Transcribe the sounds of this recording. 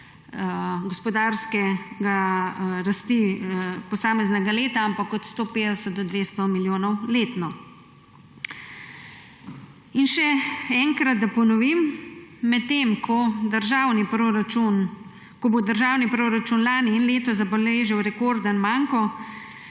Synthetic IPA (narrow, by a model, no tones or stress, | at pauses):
ɡɔspɔd̪aːɾskɛɡaɾast̪ipɔsaːmɛznɛɡaleːt̪aampakɔt̪st̪oːpeːd̪ɛsət̪̚d̪ɔd̪ʋeːst̪ɔmiljoːnɔwleːt̪nɔ | inʃɛɛŋkɾɐd̪̚d̪apɔnɔʋimː | ɛt̪ːeːmkʰɔd̪əɾʒaːwnipɾoɾat͡ʃun | kɔbod̪əɾʒaːwnipɾoːɾat͡ʃunlaːniːnleːt̪ɔzaboleːʒɛwɾɛkoːɾd̪anmaːŋkɔ